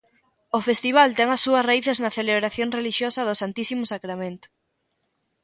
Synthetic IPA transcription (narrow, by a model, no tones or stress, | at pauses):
ofest̪iβ̞alt̪ɛŋɐsːuɐsraiθeznaθeleβɾaθjoŋreliʃjosɐðʊsant̪isimʊsakɾamẽnt̪ʊ̥